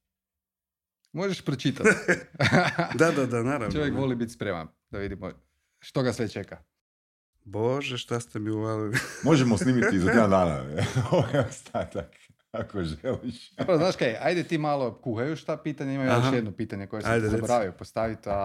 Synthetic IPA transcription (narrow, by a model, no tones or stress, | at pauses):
moʒeʃpɾot͡ʃit̪at̪ | d̪ad̪ad̪anaːɾavnt͡ʃoʋjekʋolibit̪spɾema̰n | d̪aʋid̪imo | ʃt̪oɡasʋet͡ʃeka | boʒɛʃt̪ast̪emiuʋalimoʒɛmosniːmit̪izaed̪and̪aːna̰oʋɛost̪ʰat̪ak | akoʒeliʃpɾoznaːʃkejajd̪et̪iːmalˠokuxajuʃt̪apiːt̪aɲeimajjoʃjed̪nopit̪aɲekojesajd̪ɛzaeboɾaʋiopost̪aʋit̪a